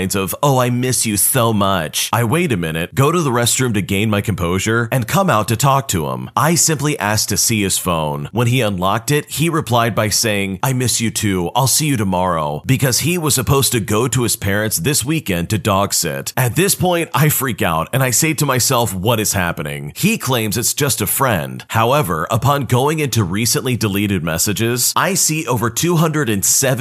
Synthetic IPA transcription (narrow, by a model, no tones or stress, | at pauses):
ɪ̃nzʌvoʊaɪmɪsjɨsoʊmʌt͡ʃʔaɪweɪɾɨmɪ̃ñɨt̚ɡ̥oʊɾɨðəɹɛst̚ɹ̥ʉ̃mtɨɡẽɪ̃nmaɪkʰm̩pʰoʊʒə˞ʔɨ̃nkʰʌ̃maʊtɨtʰɔk̚tʰɨɪ̰̃mʔaɪsɪ̃mpliʔæsk̚tʰɨsiɨz̥fõʊ̃nwə̃niʌ̃nlɑk̚tɪt̚hiɹɨpʰl̥aɪd̚baɪseɪɪ̃ŋʔaɪmɪsjɨtʰʉaɪlˠsijɨɾɨmɑɹoʊb̥ɨkʰʌz̥iwʌz̥sɨpʰoʊz̥tɨɡoʊɾɨɨz̥pʰɛɹɨ̃ntsðɪswikɛ̃ntɨdɔɡ̥sɪ̰ɾʔɨt̪̚ðɪspʰɔ̃ɪ̃ntaɪfɹika̰ʊɾɨ̃naɪseɪd̚tɨmaɪsɛlˠfwʌɾɨz̥hæ̰pɨnɪ̰̃ŋikʰl̥ẽɪ̃mzɨtsd̥ʒ̥ʌstɨfɹɛ̰̃nd̥haʊɛvə̰˞ʔəpʰɑ̃nɡoʊɪ̃ŋɪ̃ntʉɹisɨ̃nʔlidɨliɾɨd̚mɛsɨd͡ʒɪzʔaɪsiʔoʊvə˞tʰʉɦʌ̃ndɹɨɾɨ̃nsɛv